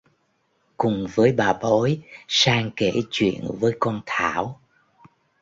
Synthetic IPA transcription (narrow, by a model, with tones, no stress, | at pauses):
kʊ˨˩ŋ͡mvəː˨˦jɓaː˨˩ɓo˨˦jsaː˧ŋke˧˩t͡ɕwḭ˧˨ənvəː˨˦jkɔ˧nt̪ʰaː˧˩˨w